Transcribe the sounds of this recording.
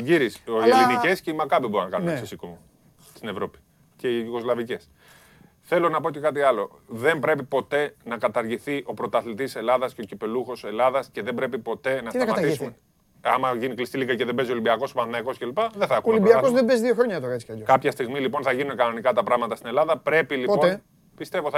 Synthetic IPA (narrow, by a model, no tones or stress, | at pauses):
ʝiɾisolinicesceimɐkɐbiboɾinɐkɐ̰nunnesisikomo | st̪ine̞vɾo̞pi̥ | ce̞iʝiɣo̞zlɐvice̞s | θe̞lo̞nɐpo̞c̪e̞kɐt̪̬iɐlo̞̰ðe̞mbɾe̞pipo̞t̪e̞nɐkɐt̪ɐɾʝiθiʔo̞pɾo̞t̪ɐθlit̪ise̞lɐðɐsceo̞cipe̞luxo̞se̞lɐðɐsce̞ðembɾe̞pipo̞t̪e̞nɐsɐɐmɐisume | ɐmɐʝiniklist̪ilikɐceðebe̞zio̞limbiɐko̞so̞pɐnθinɐiko̞scelipɐðeθɐkulibiɐkozðebezðioxɾo̞ɲɐt̪oɾɐt͡si̥ɐʎokɐpçɐst̪iɣmilipo̞nθɐʝinunekɐno̞nikɐt̪ɐpɾɐɣmɐt̪ɐst̪ine̞lɐðɐpɾe̞pilipon | pist̪e̞vo